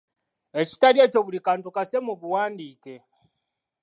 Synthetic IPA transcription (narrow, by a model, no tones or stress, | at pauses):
eci̥taɾiet͡ʃoβulikaːntukasemuβuwaːndike